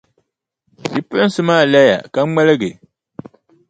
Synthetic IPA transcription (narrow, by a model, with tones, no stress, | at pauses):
dɨ˨pɨ˦n˦sɨ˦maː˦˨la˦ja̰˨ka˦ŋ͡mɛ˦lɨ˦ɡɨ˨